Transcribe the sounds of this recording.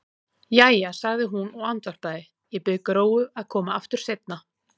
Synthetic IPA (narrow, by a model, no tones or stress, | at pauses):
jaːjasaɣðɪɦunɔɣant̪var̥paːðɪ | jɛpɪkɾoːwʏaðkʰɔːmaaft̪ʏɾ̥sejt̪̚na